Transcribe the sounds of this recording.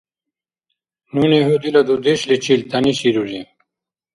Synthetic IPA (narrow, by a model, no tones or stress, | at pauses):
nuneɦud̪ilɐd̪ud̪eɕlit͡ɕilt̪ɐniɕiɾuzi